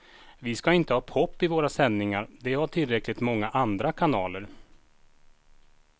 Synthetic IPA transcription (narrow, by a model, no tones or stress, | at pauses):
vɪskaɪnt̪əhɑːpʰɔpːɪvoːɾasɛnːɪŋaɾd̪ɛhaʈʰɪlɾɛklɪɡ̚t̪mɔŋːaʔand̪ɾakʰanɑːləɾ